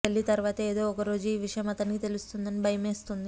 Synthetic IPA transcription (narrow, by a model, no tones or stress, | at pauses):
elːit̪ɐɾʋaːt̪ɐeːd̪o̞ːɔkɐɾoːd͡ʒuiːʋiʂɐjɐmɐt̪ɐnikit̪e̞lust̪und̪ɐnibʱɐjɐmeːst̪und̪i